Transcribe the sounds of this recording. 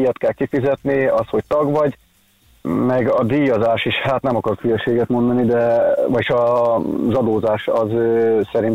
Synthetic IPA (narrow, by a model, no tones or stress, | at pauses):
jɒt̪kɛlkifizɛt̪niɒsho̞c̚t̪ɒɡʋɒɟ | mɛɡɒd̪iːjɒzaːʃiʃhaːt̪nɛmɒkɒrkyjɛʃːeːɡɛt̪mo̞nd̪ɒnid̪ɛʋɒʃɒzɒd̪oːzaːʃɒzsɛɾint̪